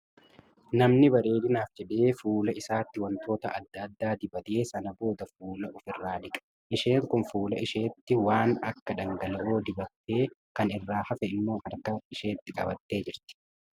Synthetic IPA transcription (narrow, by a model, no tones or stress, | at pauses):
nɐmnɪbɐɾe̞ːd̪ɪnaːfd͡ʒɛᶑe̞ːfuːlɐɪsaːt̪ːɪwɐnt̪ʰo̞ːt̪ɐɐd̪ːɐd̪ːaːd̪ɪbɐt̪e̞ːsɐnɐbo̞ːd̪ɐfuːlɐʔʊfɪrːaːᶑ̪ɪkʼɐ̥ | ʔɪʃe̞ːŋkʊnfuːlɐ̰ɪʃeːt̪ːɪwaːnɐkːɐᶑ̪ɐŋɡɐlɐʔoːd̪ɪbɐt̪ːe̞ːkɐnɪrːaːhɐfɛɪmːo̞ːhɐɾkɐɪʃe̞ːt̪ːɪkʼɐ̰bɐt̪ːe̞ːd͡ʒɪɾt̪ɪ̥